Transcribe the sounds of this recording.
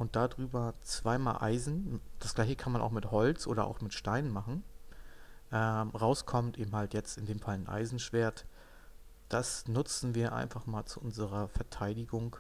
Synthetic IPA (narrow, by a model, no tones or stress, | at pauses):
ʔʊnt̚d̥adʁyːbɐt͡sv̥aɪma̰ːlʔa̰ɪzn̩d̥asɡ̥laɪçəkʰanmanʔaʊxmɪthɔlt͡sʔoːɾɐʔa̰ʊxmɪtʃtaɪnənmaχn̩ | ʔɛːmʁaʊskʰɔmtʔeːbm̩haltjɛt͡stɪndeːmfalnʔa̰ɪzn̩ʃv̥eːɐt | d̥asnʊt͡sn̩viːɐʔa̰ɪnfaχmaːlt͡suʔʊnzəʁɐfɛɐtʰaɪdɪɡʊŋ